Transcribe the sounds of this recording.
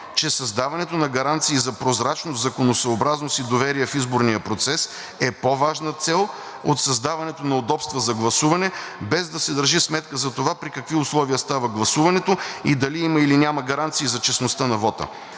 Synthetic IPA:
t͡ʃɛsɐzd̪avɐnɛt̪onɐɡɐɾant̪siːzɐpɾozɾat͡ʃnoszɐkonosɐobɾaznost̪id̪ovɛɾiɛfizboɾnijəpɾot̪sɛs | ɛpovaʒnət̪sɛlˠ | ot̪sɐzd̪avɐnɛt̪onɐod̪ɔpst̪vəzɐɡlˠɐsuvɐnɛbɛzd̪ɐsɛd̪əɾʒismɛt̪kəzɐt̪ovapɾikɐkviʊslˠɔviəst̪avəɡlˠɐsuvɐnɛt̪oid̪ɐliiməilinʲamɐɡɐɾant̪siːzɐt͡ʃɛsnost̪ənɐvɔt̪ə̰

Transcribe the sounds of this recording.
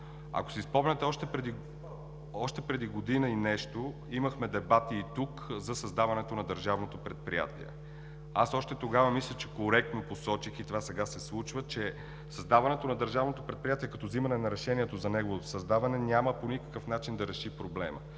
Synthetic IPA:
ɐ̰ko̥sispɔmnʲət̪ɛɔʃt̪ɛpɾɛd̪i | ɔʃt̪ɛpɾɛd̪iɡod̪inəinɛʃt̪o | iməxmɛd̪ɛbat̪iːt̪ukzɐsɐzd̪avɐnɛt̪onɐd̪əɾʒavnot̪opɾɛt̪̚pɾḭja̰t̪ḭɛ̰ | asɔʃt̪ɛt̪oɡavɐmislʲət͡ʃɛkoɾɛk̚t̪noposɔt͡ʃixit̪ovasɛɡasɛslˠut͡ʃvət͡ʃɛ | sɐzd̪avɐnɛt̪onɐd̪əɾʒavnot̪opɾɛt̪pɾijat̪iɛkɐt̪ɔzimɐnɛnɐɾɛʃɛniɛt̪ozɐnɛɡovot̪o̥sɐzd̪avɐnɛnʲaməponikə̥kəfnat͡ʃind̪ɐɾɛʃipɾoblɛmə̰

